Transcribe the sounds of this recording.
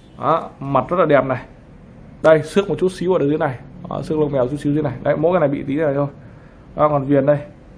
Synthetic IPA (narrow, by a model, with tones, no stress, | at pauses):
ʔa˨˦ma˨˩t̚zə˦˥la˨˩ɛ˨˩p̚na˨˩j | ɗə˧jsɨ˦˥k̚mo˨˩t̚t͡ɕu˦˥t̚si˨˦wə˨˩ɗə˨˩˨na˨˩ja̰˧˦sɨ˧˥əklə˧wŋ͡mmɛ˨˩wt͡ɕu˦˥si˨˦˧na˨˩jɗa̰˧˦mo̰˧˥jkːjna˨˩jɓḭ˧˨t̪i˨˦˨a˨˩t̪ʰj | ʔa˨˦kɔ˨˩nvi˨˩ənɗə˧j